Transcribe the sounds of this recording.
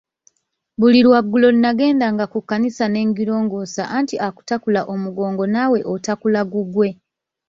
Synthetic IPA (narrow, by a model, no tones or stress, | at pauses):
βuliɾwaɡːulo̞linaɡe̞ːndaŋɡakukːanisane̞ŋɡiɾo̞ːŋɡosaʔantiʔaku̥takulaʔo̞muɡo̞ːŋɡo̞nawe̞ʔotakulaɡuɡwe̞